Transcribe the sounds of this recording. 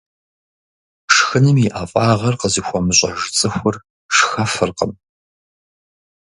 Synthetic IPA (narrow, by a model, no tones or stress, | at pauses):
ʂxɨnɨmiʔafʼɑːʁɐrqəzɨxʷɔmɨɕʷʼɐʒt͡sʼɨxʷʊr | ʂxɐfɨrqəm